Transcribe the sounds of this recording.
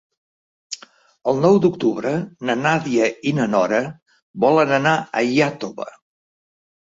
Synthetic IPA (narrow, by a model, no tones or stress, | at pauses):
əlˠnɔwd̪ukt̪uβɾənənaðiəinənɔɾə | bɔlənənaəjat̪oβə̰